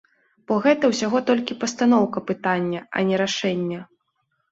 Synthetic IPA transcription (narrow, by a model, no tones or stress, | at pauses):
b̥ɔɣɛt̪ɐwsʲaɣɔt̪ɔlʲkʲipɐst̪an̪ɔwkɐpɨt̪anʲːɐɐ̰nʲɛɾaʂɛnʲːɐ